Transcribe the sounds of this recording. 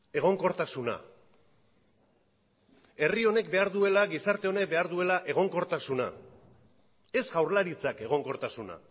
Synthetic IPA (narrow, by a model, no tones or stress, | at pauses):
e̞ɣ̞o̞ŋko̞ɾt̪asuna̰ | e̞rio̞ne̞kbe̞aɾðue̞laɣisaɾt̪e̞o̞ne̞k̚be̞aɾðue̞laʔe̞ɣ̞o̞ŋko̞ɾt̪asuna̰ | e̞sɣawɾlaɾit͡sake̞ɣ̞o̞ŋko̞ɾt̪asuna̰